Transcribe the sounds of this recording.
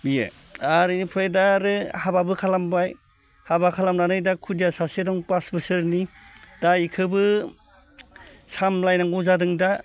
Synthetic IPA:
bijḛ | aɾɯnipʰɾajdaɾɯhababɯkʰalambaj | habakʰalamnanɯjdakʰudijasasedɔŋpasbɯsɯɾnid̥aikʰɯbɯ | samlajnaŋɡɔzadɯŋda

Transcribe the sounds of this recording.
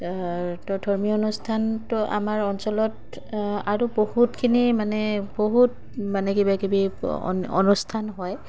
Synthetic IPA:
tɔdʱɔɹmiɔnustʰantɔʔa̰maɹɔnsɔlɔt | aɹubohutkʰinimanɛboɦut̚ | manɛkibakibḭ | ɔ̰nustʰanɦɔj

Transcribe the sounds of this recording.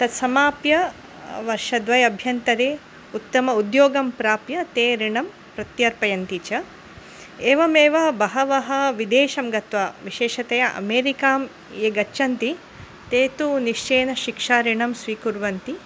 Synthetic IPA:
t̪ɐt̪sɐmaːpjɐ | ʋɐɾʂɐd̪ʋɐjɐbʱjɐnt̪ɐɾeː | ut̪ːɐmɐud̪joːɡɐmpɾaːpjɐt̪eːɾiɳɐm | pɾɐt̪jɐɾpɐjɐnt̪it͡ʃɐ | eːʋɐmeːʋɐbɐɦɐʋɐɦɐʋid̪eːʃɐmɡɐt̪ʋɐʋiʃeːʃɐt̪ɐjɐʔɐ̰meːɾikaːm | eːɡɐt͡ʃɐnt̪i | t̪eːt̪uniʃt͡ʃeːnɐʃikʂaːɾiɳɐmsʋiːkuɾʋɐnt̪i

